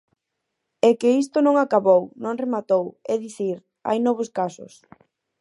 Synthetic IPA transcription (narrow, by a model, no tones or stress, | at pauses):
ɛkeis̬t̪onõŋakaβownõŋremat̪owɛðiθiɾ | a̰jnɔβ̞oskasʊ̰s